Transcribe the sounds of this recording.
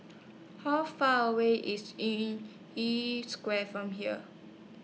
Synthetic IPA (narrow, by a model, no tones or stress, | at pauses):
hafaəweʔɪsĩn | iskwɛfɹɔ̃mɦiə̰